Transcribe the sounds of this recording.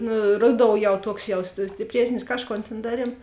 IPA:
nʊ ˈrʊˌdoːʊ jɛʊ ˈtuɔks jɛʊs sʲtʲɪpʲˈrʲiɛsʲnʲɪs ˈkɑːʃˌkoːn tʲeːn ˈdɑːˌrʲiɛm

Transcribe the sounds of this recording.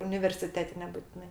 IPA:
ʊnʲɪʋʲɛrʲsʲɪˈtʲæːtʲɛ nʲɛbʊtʲɪˈnɐɪ

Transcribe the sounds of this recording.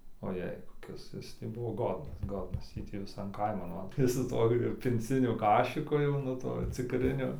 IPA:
oːˈjɛɪ koːˈkʲɪs ˈjɪs tɐɪ ˈbʊʋoː ˈɡoːdnɐs ˈɡoːdnɐs ˈjiː tʲiː ʋʲɪˈsɐn ˈkɐɪmɐn ˈʋɐ ˈjɪs sʊ ˈtuɔ ɪr pʲɪnʲˈt͡sʲɪnʲʊ ˈkɑːʃʲɪkʊ jɛʊ nʊ ˈtuɔ t͡sʲɪkˈrʲɪnʲʊ

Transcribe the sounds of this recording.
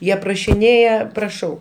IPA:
ˈjiɛ prɐʃʲɪˈnʲeːjɛ prɐˈʃɐʊ

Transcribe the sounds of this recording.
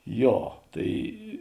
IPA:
ˈjoː ˈtɐɪ

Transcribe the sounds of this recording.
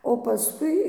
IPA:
oː pɐˈskʊɪ

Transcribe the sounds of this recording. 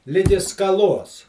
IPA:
ˈlʲɪɡʲɪ skɐˈlˠoːs

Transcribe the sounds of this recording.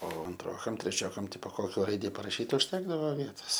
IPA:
oː ɐnˈtroːkɐm tʲrʲɛˈt͡ʃʲoːkɐm ˈtʲɪpoː ˈkoːkʲoː ˈrɐɪdʲɪ pɐrɐˈʃʲiːt ʊʃʲˈtʲæːɡdɐʋoː ˈʋʲiɛtoːs

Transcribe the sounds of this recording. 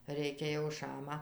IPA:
ˈrʲɛɪkʲɛ jɛʊ ˈʃɑːmɐ

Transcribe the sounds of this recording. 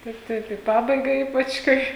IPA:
ˈtɐɪp ˈtɐɪp iː ˈpɑːbɐɪɡɐ ˈiːpɐt͡ʃ ˈkɐɪ

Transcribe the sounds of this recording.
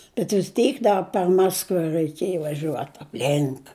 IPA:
bʲɛt ʋʲɪs ˈtʲɛɪk ˈdɐ pʲɛr ˈmɑːskʋɐ rʲæɪˈkʲeːj ʋɐˈʒʲuɔt ɐpʲˈlʲɪŋk

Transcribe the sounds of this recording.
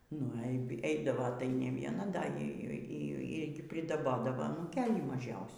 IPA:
nʊ ɛɪ ˈɛɪdɐʋoː tɐɪ nʲɛ ˈʋʲiɛnɐ ˈdɐ ˈiː ˈiː ɡʲɪ pʲrʲɪdɐˈboːdɐʋoː nʊ ɐnuːˈkʲeːlʲiː mɐˈʒʲɛʊsʲuː

